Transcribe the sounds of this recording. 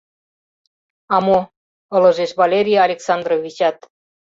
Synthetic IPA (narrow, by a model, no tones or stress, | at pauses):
ɑmo | ɤlɤ̆ʒeʃβɑlʲeɾʲijaɑlʲeksɑnd̪rovʲit͡ɕɑt̪